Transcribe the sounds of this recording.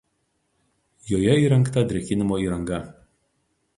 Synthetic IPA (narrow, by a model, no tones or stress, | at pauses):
joːjɛiːɾɐŋkt̪ɐd̪ʲɾʲɛkʲɪnʲɪmoːiːɾɐŋɡɐ